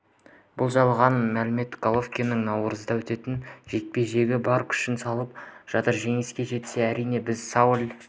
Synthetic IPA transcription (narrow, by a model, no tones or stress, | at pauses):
b̥ʊlˠʒɑlˠʁɑnmælɪme̞t̪ɡ̥olˠofkʲijnəŋnɑwɾəzəd̪ɑwɵt̪e̞t̪ɪnʒe̞k̪̚pe̞ʒe̞ɡʲɪbɑɾqʏ̥ʃɪnsɑlˠəp̚ʒ̥ɑt̪əɾʒe̞ŋɪskʲe̞ʒe̞t̪se̞æɾijne̞bɪzsɑwlʲ